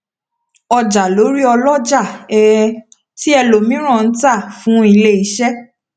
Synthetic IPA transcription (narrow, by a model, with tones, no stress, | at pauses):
ɔ˧d͡ʒa˨lo˨˦ɾi˦ɔ˧lɔ˦d͡ʒa˦˨ɛ˨ | ti˦ɛ˧lo˨mĩ˦ɾ̃ã˦˨n̩˨˦ta˦˨fũ˨˦i˧le˦i˧˦ʃɛ˦